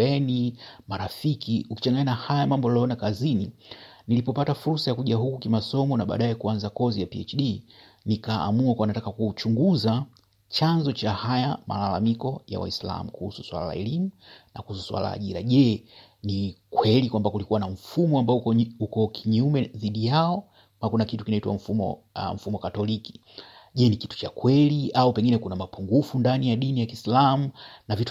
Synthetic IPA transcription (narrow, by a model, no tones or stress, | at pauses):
ɛnimaɾafikiuki̥t͡ʃaŋɡaɲanahajamambɔalɔjɔnakazininilipɔpatafuɾsajakuʄaɦukukimasɔmɔnaɓa̰ːɗaɛkuanzakɔzijapiɛ̰t͡ʃɗi | nika̰ːmuakuanatakakut͡ʃuŋɡuza | t͡ʃanzɔt͡ʃahajama̰lalamikɔja̰wa̰isla̰mukuhusu̥swa̰lala̰ɛlimunakuhusu̥swa̰la̰la̰ːʄiɾa̰ʄɛ | nikwɛlikwambakulikuwanaɱ̩fumɔambaɔukɔkʰiɲumɛðiɗijaɔ | makunakitukinaitwa̰ɱ̩fumɔ̰ | ɱ̩fumɔkatɔliki̥ | ʄɛniki̥tu̥t͡ʃakwɛliaupɛŋɡinɛkunamapuŋɡufundanijaɗinijakislamunavit